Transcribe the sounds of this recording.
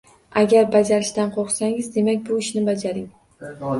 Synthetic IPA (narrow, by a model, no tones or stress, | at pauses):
aɡʲaɾbad͡ʒaɾɪʃt̪anqʰoχsaŋɪzd̪e̞makʲbʊɪʃnɪbad͡ʒaɾɪŋ